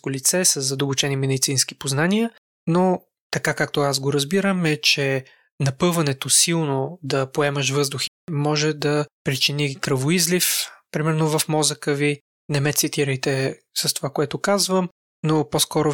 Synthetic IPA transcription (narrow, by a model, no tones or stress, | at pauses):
kolit̪sɛsəzːɐd̪ɐbʊt͡ʃɛnimɛd̪it̪sinsk̟i̥poznaniə | no | t̪ɐkakakt̪oas̬ɡoɾəzbiɾəmɛt͡ʃɛ | nɐpɤvɐnɛt̪osilˠnod̪ɐpoɛmɐʃ̬vɤzd̪ʊx | mɔʒɛd̪ɐpɾit͡ʃinikɾəvoizlifpɾimɛɾnovɐfmɔzəkəvi | nɛmɛt̪sit̪iɾəjt̪ɛ | sɐst̪ovakoɛt̪okazvəm | noposkɔɾo